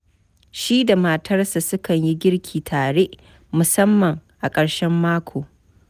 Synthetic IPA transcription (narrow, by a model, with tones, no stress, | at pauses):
ʃiː˦da˨ma˨tʰɐ˦rsa˨sʊ˦kɐ˨ɲji˦ɡʲɪ˦ɽkʲʰiː˨tʰaː˨ɽeː˦ʔ | mʊ˨sɐ˦mːɐ˨ŋʔa˨kʼɐ˨ɽʃɛ˦mːaː˦kʷʰoː˨